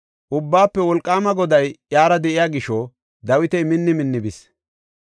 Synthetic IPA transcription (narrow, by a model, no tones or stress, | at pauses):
ʔʊbːaːpːɛwɔlkʼːaːmɐɡɔd̪ɐjjaːɾɐd̪ɛʔɪjaːɡɪʃɔ | d̪ɐwɪt̪ɛjmɪnːɪmɪnːɪbɪs